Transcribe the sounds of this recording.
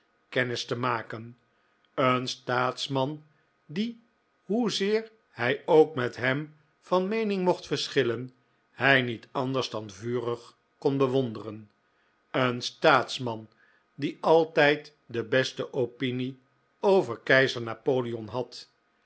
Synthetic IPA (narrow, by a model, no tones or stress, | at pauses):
kɛnɪstəmaːkən | ənstaːtsmɑn | di | ɦuzɪːɹ | hɛjowkmɛtɦɛm | v̥ɑnmejnɪŋmɔχtfəɹsχɪlən | hɛjnitʰɑndəɹzdɑnvyːrəχ | kɔnbəʋɔndərən | ənstaːtsmɑn | diɑlˠtɛjt | dəbɛstəʔowpini | owvəɹkɛjzəɹnaːpowliɔnɦɑt